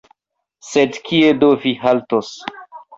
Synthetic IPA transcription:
sedkʰiedoviɦaltos

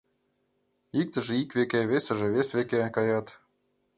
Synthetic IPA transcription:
ik̚t̪ə̆ʒĕikvekʲeβesĕʒĕβesβekekɑjɑt̪

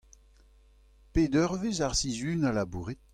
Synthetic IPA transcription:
ped̪œʁvezaʁsizynalabuːʁet̪̚

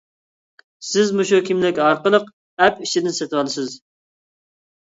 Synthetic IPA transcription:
sɪzmuʃukʲimlɪkʲɑɾqəlˠəq | ɛpiʃid̪ɪnsɛt̪ʰwɑlˠɨsɨz

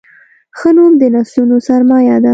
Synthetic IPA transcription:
xənomd̪ənɑslunosaɾmɑjad̪a

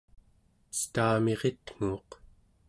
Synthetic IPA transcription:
st̪aːme̞ʁet̪ŋ̥uːq

